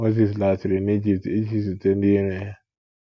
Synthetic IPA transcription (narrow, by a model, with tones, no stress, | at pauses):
o˦zi˨s̬la˨t͡ʃɪ˨ɾe˨ni˦d͡ʒi˨p̚ti˦d͡ʒi˦s̬u˨te˦n̩˦di˦ɾe˦ja˦